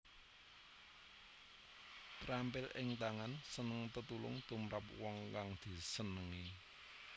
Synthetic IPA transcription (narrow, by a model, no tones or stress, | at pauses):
t̪ɾampɪlʔɪŋt̪aŋansənəŋt̪ət̪ulʊ̰ŋt̪umɾapwɔŋkaŋd̪̥i̤sənəŋe